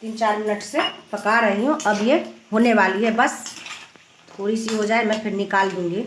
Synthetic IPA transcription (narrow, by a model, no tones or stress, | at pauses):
t̪iːnt͡ʃaːɾmɪnəʈsepɐkaːɾɐɦiɦũʔɐbjeɦoːneʋaːliɦɛbɐs | poːɾisiɦod͡ʒaːemɛ̃pʰɪɾnɪkaːld̪ũːŋɡiː